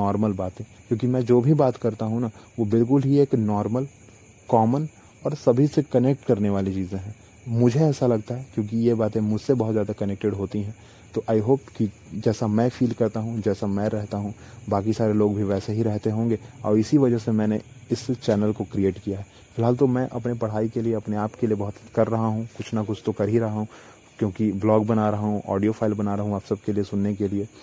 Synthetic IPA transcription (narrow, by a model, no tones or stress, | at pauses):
nɔːɾməlbaːt̪ẽkjõːkimɛ̃ːd͡ʒoːbʱibaːt̪kɐɾt̪aɦũnaʋobɪlk̬ʊlɦieːknɔːɾməl | kɔːmən | ɔːɾsɐbʱisekɐnek̚ʈkɐɾneʋaːlit͡ʃiːzẽɦɛ̃ː | mʊd͡ʒʱeɛːsalɐɡt̪aɦɛkjõːk̬ijebaːt̪ẽmʊd͡ʒʱsebɐɦʊt̪zjaːd̪akɐnɛk̚ʈɪɖɦoːt̪iɦɛ̃ː | t̪oːʔaːiɦoːpki | d͡ʒɛːsamɛ̃fiːlkɐɾt̪aɦũd͡ʒɛːsamɛ̃ɾɛɦt̪aɦũbaːkisaːɾeloːɡbʱiʋɛːseɦiɾɛɦt̪eɦõːŋɡeɔ̰ːɾɪsiʋɐd͡ʒəɦsemɛ̃ːneɪst͡ʃɛːnəlkokɾieːʈkijaɦɛː | fɪlɦaːlt̪omɛ̃ʔɐpnepɐɽ̤aːikelieɐpneaːpkeliebɐɦʊt̪kɐɾːɐɦaɦũkʊt͡ʃʰnɐkʊt͡ʃʰt̪okɐɾɦiɾɐɦaɦũ | kjõːkiblɔːɡbɐnaɾɐɦaɦũʔɔ̰ːɖijofʰaːɪlbɐnaɾɐɦũaːpsɐb̚keliesʊnːek̬elie